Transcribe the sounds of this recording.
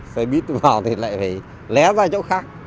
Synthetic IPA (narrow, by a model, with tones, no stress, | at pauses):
sa˧ɓi˦˥ət̚t̪ɨ˧˩vaː˨˩wt̪ʰi˨˩la̰ː˧˨jfa˨˩ | lɛ˨˦zaː˧t͡ɕo̰˧˥wxaː˦˥k̚